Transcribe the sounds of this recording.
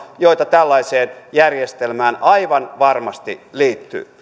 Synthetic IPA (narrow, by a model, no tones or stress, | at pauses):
joit̪ɑt̪ælːɑiseːnjærjest̪elmæːnɑiʋɑnʋɑrmɑst̪iliːt̪ːy̰ː